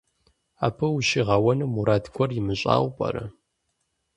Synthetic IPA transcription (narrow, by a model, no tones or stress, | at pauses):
aːpʰɐwʃiʁɐwɐnɨmuɾaːtɡʷʰɔrjɪmɨɕʼa̰ːwʷpʼɐ̰ɾɐ